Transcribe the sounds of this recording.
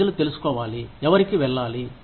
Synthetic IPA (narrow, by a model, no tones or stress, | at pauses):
ɐlut̪e̞lusu̥kɔːʋaːliɛʋɐɾikiʋɛɭːaːli